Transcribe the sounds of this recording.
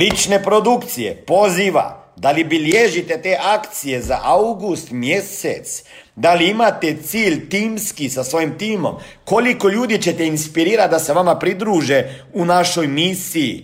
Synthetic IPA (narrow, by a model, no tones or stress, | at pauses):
lit͡ʃnepɾod̪ukt̪sijḛpo̞ziːʋa̰d̪alibiljeʒit̪et̪eːʔakt̪sijeza̰ʔawɡust̪mjesḛt̪s | d̪aliimat̪et̪siːʎt̪iːmskisasʋo̞jimt̪iːmo̰m | kolikoʎuːd̪it͡ɕet̪einspiɾiːɾat̪d̪aseʋamapɾid̪ɾuːʒe | unaʃojmisijḭ